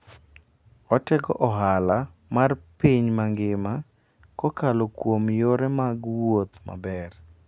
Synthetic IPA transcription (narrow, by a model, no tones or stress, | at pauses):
ɔtɛɡɔ̰ʔɔɦala | marpiɲmaŋɡɪma | kɔkalokwomjoɾɛmaɡwot̪ma̰bɛr